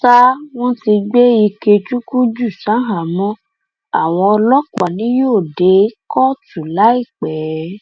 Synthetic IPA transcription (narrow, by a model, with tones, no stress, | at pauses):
ta˦w̃ɔ̃˦ti˧ɡ͡be˦i˧ke˧t͡ʃu˦ku˦d͡ʒu˦˨sã˨˦ɦa˨mɔ̃˦ | a˨w̃ɔ̃˧ɔ˧lɔ˦kʷa˨nĩ˨˦jo˦˨de˨˦kɔ˦tu˨la˨˦i˦˨k͡pɛ˨˦